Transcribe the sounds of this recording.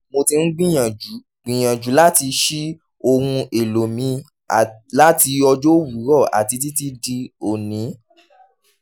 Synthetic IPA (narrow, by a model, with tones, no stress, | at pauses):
mo˧ti˧n̩˦ɡ͡bĩ˦ã˨d͡ʒu˨˦ | ɡ͡bĩ˨j̃ã˨d͡ʒu˨˦la˦ti˧ʃi˦ | o˧hũ˧e˨lo˨mĩ˧˦˨ | la˦ti˧ɔ˧d͡ʒo˦wu˨˦ɾɔ˦˨ʔa̰˨ti˧t̬i˦ti˦di˦o˨nĩ˨˦